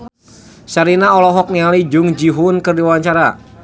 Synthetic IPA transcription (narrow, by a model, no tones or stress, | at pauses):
saɾinaɔlɔɦɔk̚nialid͡ʒʊŋd͡ʒiɦʊnkɨrdiwaɲt͡ʃaɾa